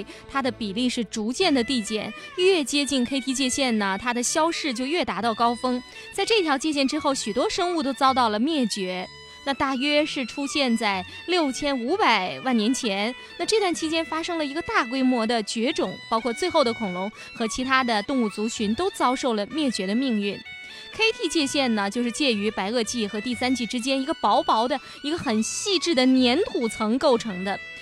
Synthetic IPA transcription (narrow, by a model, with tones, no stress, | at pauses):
t̪ʰa˥d̪ə˨pi˨˩li˥˧ʂɻ̩˥˩ʈ͡ʂu˧˥t͡ɕjɛ˥˩nd̪ə˩t̪i˥˧˩t͡ɕjɛ̰˥˩nɥɛ˥˩t͡ɕjɛ˥t͡ɕi˥˩nkʰe˥ɪt̪ʰi˥t͡ɕjɛ˥˧ɕjɛ˥˩nnə˩t̪ʰa˥d̪ə˨ɕjɑ˥ʊʂɻ̩˥˧t͡ɕjo˥˧ʊɥɛ˥˩t̪a˧˥t̪ɑ˥˩ʊkɑ˥ʊfɤ˥ŋ | t͡sa˥˧ɪʈ͡ʂɤ˥˩i˧t̪ʰjɑ˧˥ʊt͡ɕjɛ˥˧ɕjɛ˥˩nʈ͡ʂɻ̩˥xo˥˩ʊɕy˨˩t̪wɔ˥ʂɤ˥ŋu˥˩t̪̬o˥ʊt͡sɑ˥ʊt̪ɑ˥˩ʊlə˩mjɛ˥˩t͡ɕɥɛ˧˥ | na˥˧t̪a˥˩ɥɛ˥ʂɻ̩˥˩ʈ͡ʂʰu˥ɕjɛ˥˧nt͡sa˥˩ɪ | ljo˥˩ʊt͡ɕʰjɛ˥nu˧˥pa˨˩ɪwa˥˩njɛ˧˥nt͡ɕʰjɛ˧˥n | na˥˧ʈ͡ʂɤ˥˧t̪wa˥˩nt͡ɕʰi˥t͡ɕjɛ˥nfa˥ʂɤ˥ŋlə˨i˧˥ɡə˧t̪a˥˩kwe˥ɪmwɔ˧˥d̪ə˨t͡ɕɥɛ˧˥ʈ͡ʂʊ˨˩˦ŋpɑ˥ʊkʰwɔ˥˧t͡swe˥˧ɪxo˥˩ʊd̪ə˩kʰʊ˨˩ŋlʊ˧˥ŋ | xɤ˧˥t͡ɕʰi˧˥t̪ʰa˥d̪ə˨t̪ʊ˥˧ŋu˥˩t͡su˧˥t͡ɕʰy˧˥nt̪o˥ʊt͡sɑ˥ʊʂo˥˩ʊlə˩mjɛ˥˩t͡ɕɥɛ˧˥d̪ə˧mi˥˧ŋy˥˩n | kʰe˥ɪt̪ʰi˥˧t͡ɕjɛ˥˧ɕjɛ˥˩nnə˩t͡ɕjo˥˧ʊʂɻ̩˥˧t͡ɕjɛ˥˩y˧˥pa˧˥ɪɤ˥˧t͡ɕi˥˩xɤ˧˥t̪i˥˩sa˥nt͡ɕi˥˩ʈ͡ʂɻ̩˥t͡ɕjɛ˥ni˧˥ɡə˧pɑ˧˥ʊpɑ˧˥ʊd̪ə˧ | i˧˥ɡə˧xə˨˩nɕi˥˧ʈ͡ʂɻ̩˥˩d̪ə˩njɛ˧˥nt̪ʰu˨˩t͡sʰɤ˧˥ŋko˥˩ʊʈ͡ʂʰɤ˧˥ŋd̪ə˧